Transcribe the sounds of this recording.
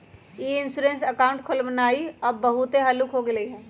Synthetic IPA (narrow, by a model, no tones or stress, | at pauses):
eɪnsuːɾẽnsɐkaːʊ̃ɳʈkʰʊlmənaːiɐbːɐɦʊt̪eɦɐlukɦoɡɪleɦɛ̃ː